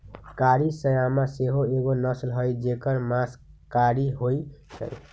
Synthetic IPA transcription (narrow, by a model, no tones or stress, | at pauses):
kaɾisəjamaseɦoeɡonəslɦəjd͡ʒekəɾmaskaɾiɦojsʰə̰j